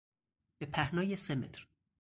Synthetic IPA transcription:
b̥epʰæhnɒːjesemḛt̪ʰɾ

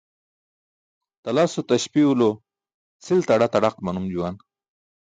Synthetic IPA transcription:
t̪ɐlasot̪aɕpiulo | t͡sʰilt̪aɽat̪aɽaqmanumd͡ʑuwan

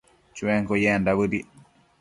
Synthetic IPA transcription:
t͡ʃuwɛŋkɔjɛːndabədi

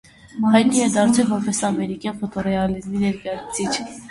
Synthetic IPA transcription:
ɦɑjd̪nijɛd̪ɑɾt͡sʰɛvɔɾpʰɛsɑmɛɾikjɑnfɔt̪ɔrɛɑlizminɛɾkɑjɑt͡sʰu̥t͡sʰit͡ʃʰ

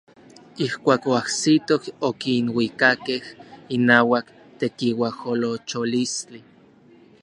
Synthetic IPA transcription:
ihkʷaːkoahsit̪okokinwikakehinaːwak | t̪ekiwaholot͡ʃolisi

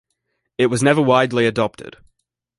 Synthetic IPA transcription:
ɪʔ̚wʌznɛvəwaɪdˡliɨdɒp̚tʰɪ̰d̥

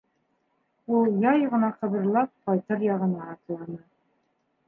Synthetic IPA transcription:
ulˠjɑjʁɤ̆nɑqɤ̆βɤ̆ɾlˠɑp̚qɑjt̪ɤɾjɑʁɤ̆nɑːt̪lˠɑnɤ

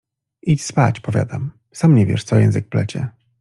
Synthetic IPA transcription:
it͡ɕspat͡ɕpɔvʲja̰d̪am | samɲɛvʲjɛ̰ʂt̪sɔjɛ̃ñzɨk̚plɛt͡ɕɛ̰

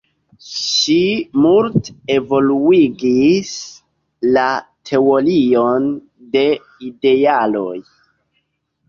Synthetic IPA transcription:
ʃimulte̞vo̞luiɡis | latʰe̞o̞lio̞n | de̞ | ide̞alo̞j

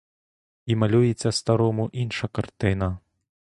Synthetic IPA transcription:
imalʲujet͡sʲːɐst̪aɾɔmuʔinʂɐkart̪ɪnɐ

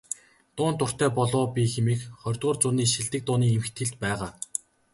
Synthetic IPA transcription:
t̪ʊːnt̪ʊr̥t̪æːpɔɮʊːpʲixemiːkχɔrʲt̪̚ʁʊːrt͡sʊːniːʃiɮt̪ɘ̆k̚t̪ʊːniːemɘ̆xt̪ʰɘ̆ɮt̪pæːʁaː

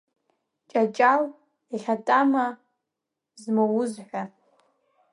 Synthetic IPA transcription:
t͡ʃʼat͡ʃʼal | iʁʲatʼama | zmowʊzħʷa

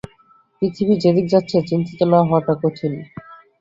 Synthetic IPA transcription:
pɾit̪ʰibid͡ʑed̪ik̚d͡ʑatːɕʰet͡ɕint̪it̪elaaɦɔt̪akoʈʰin

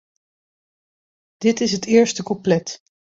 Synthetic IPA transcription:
d̥ɪtɪsɦətɪːɹstəkɔplɛt

